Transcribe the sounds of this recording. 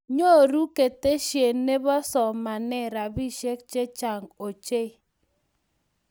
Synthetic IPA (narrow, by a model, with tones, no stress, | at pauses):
ɲo˦˨ɾu˦ke˨te˦ʃje˨nːe˦bɔ˦sɔ˨ma˨nɛ˦ɾa˨bi˦ʃe˦k̚t͡ʃe˦t͡ʃa˨ŋo˨t͡ʃe˦